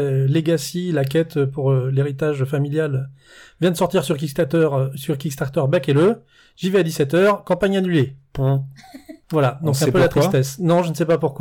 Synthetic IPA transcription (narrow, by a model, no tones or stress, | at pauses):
leɡasilak̬ɛt̪øpuʁøleʁit̪aʒfamiljalø | vjɛ̃d̪əsɔʁt̪iʁsyʁkʲikt̪t̪ʁsyʁkʲikst̪aʁt̪œʁbakelø | ʒivɛad̪isɛt̪œːʁkɑ̃paɲanylepɔ̃ | vwalad̪ɔ̃ks̬ɛ̃pølat̪χist̪ɛsnɔ̃ʒənəsɛpapuʁkwa